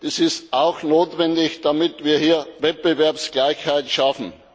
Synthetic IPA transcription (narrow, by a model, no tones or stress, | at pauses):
d̥iːsɪstaʊxnoːtvɛndɪçd̥amɪtv̥iːɐhiːɐvɛt̚b̥evɛɐpsɡ̥laɪçhaɪtʃafn̩